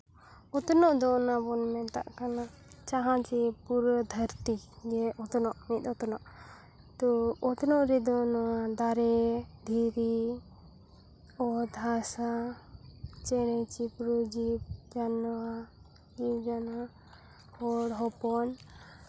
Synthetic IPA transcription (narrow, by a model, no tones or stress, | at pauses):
ɔt̪ɔnɔʔd̪ɔnabɔnmɛnt̪a̰ʔkana | t͡ʃaɦãt͡ʃipuɾəd̪ʱəɾt̪iɡɛʔɔt̪ɔnɔʔmit̪ɔt̪ɔnɔʔ | t̪ɔɔt̪ɔnɔʔɾɛd̪ɔnɔad̪aɾɛd̪ʱiɾi | ɔd̪asa | t͡ʃɛɽɛt͡ʃipɾud͡ʒid͡ʒanwa | ɡid͡ʒana | hɔɽɦɔpɔn